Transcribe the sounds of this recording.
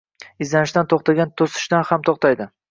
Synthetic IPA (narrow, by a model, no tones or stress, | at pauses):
ɪzlanɪʃd̪ant̪ʰoχt̪ʰaɡʲant̪ʰosɪ̥ʃd̪anhamt̪ʰoχt̪ʰajd̪ɪ